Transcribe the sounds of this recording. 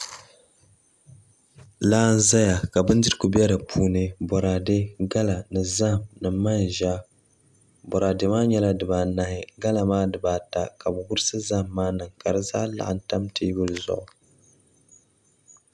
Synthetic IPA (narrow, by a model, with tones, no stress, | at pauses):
laː˦n̩˦za˦ja˨ka˨bɨ˦n˦dɨ˦ɾɨ˦ku˨bɛ˦ɾɨ˨pʰuː˦nɨ˦bɔ˨ɾa˨de˦ɡa˦la˨nɨ˨za˦˨mnɨ˨ma˦n˨ʒa˦ | bɔ˨ɾa˨de˨maː˦ɲɛ˦la˦dɨ˨baː˨na˨hɪ˨ɡa˦la˨maː˦dɨ˨baː˨ta˦ka˨bɨ˨ɡʊ˦ɾɨ˦sɨ˦za˦˨mːaː˦nɨ˨ŋka˨ɾɨ˦za̰ː˦la̰˦˨ʔn̩˦ta˦mtʰi˦bʊ˦lɨ˨zʊ̰˨ʔʊ˨